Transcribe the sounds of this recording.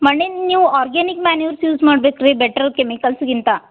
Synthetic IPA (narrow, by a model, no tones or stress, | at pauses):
mɐɳːeniːʋuaːɾɡeːnikmaːniʋɐɾsjuːzmaːɽbeːkɾebɛʈːɐɾkemikɐlsɡint̪a